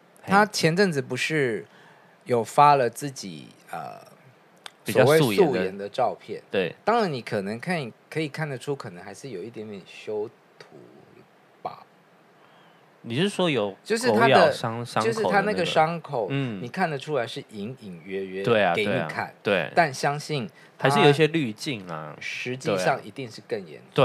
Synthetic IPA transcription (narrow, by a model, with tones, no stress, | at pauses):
t̪ʰa˥t͡ɕʰjɛ˧˥nʈ͡ʂɤ˥˩ŋd͡zɹ̩˩pu˧˥ʂɻ̩˥˩ | jo˥˩ʊfa˥lə˨t͡sɹ̩˥˩t͡ɕḭ˨˩ | ə̰˨˩ | psi˨˩wɔɑ˥˩˥we˥˧ɪu˥u˧˥˦jɛ˧˥nd̪ə˧ʈ͡ʂɑ˥˧ʊpʰjɛ̰˥˩nt̪we˥˩ɪt̪ɑ˥ŋɻa˧˥ni˨˩kʰɤ˨˩nə˧˦ŋkʰa˥˩ni˨˩kʰɤ˧˥i˨˩kʰa˥˩nd̪ə˩ʈ͡ʂʰu˥kʰɤ˨˩nə˧˦ŋxa˧˥ɪʂɻ̩˥˩jo˨˩ʊi˥˩t̪jɛ˧˥nt̪jɛ˨˩nɕjo˥ʊ | t̪ʰṵ˧˥ | pa̰˨˩˦ | ni˨˩˥ʂɻ̩˥˩ʂwɔ˥jo˨˧˦ʊt͡ɕjo˥˧ʂɻ̩˥˧t̪ʰa˥jdə˧˨ɑ˥ŋ˥jʊʂ̩˥˨t̪ʰa˥˧na˥˧˩ɡə˨ʂɑ˥ŋkʰo˨˩˦ʊ˥˩ni˨˩kʰa˥˩nd̪ə˩ʈ͡ʂʰu˥la˧˥ɪʂɻ̩˥˩ʔi˧˥ŋi˨˩ŋɥɛ˧˥ɥɛ˧˦t̪we˥˩ɪ˨ke˨˩e˥i˧kʰa̰˨˩˦nt̪we˥˩ɪa˥˩nɕjɑ˥ŋɕi˥˩n | ha˨˧ɪʂa˥˩jo˨˩i˥ɕjɛ˦˥ly˥˧t͡ɕi˥˩ŋa̰˩ʂɻ̩˧˥t͡ɕi˥˧˩ʂɑ˥˩ŋʔḭ˧˥t̪i˥˧ŋʂɻ̩˥˧kə˥˩ŋjɛ̰˧˦n˧